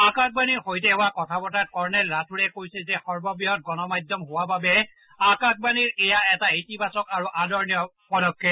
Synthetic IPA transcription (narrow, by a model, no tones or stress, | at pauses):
akak̚baniɹxojt̬ɛɦʊwakɔtʰabɔtat̚kɔɹnɛlːatʰuɹɛkojsɛzɛxɔɹbɔbiɦɔt̚ɡɔnɔmajdɔmɦowababɛ | akak̚baniɹɛjaɛtaitibasɔkaɹuʔadɔɹnijɔpɔdɔkʰːɛ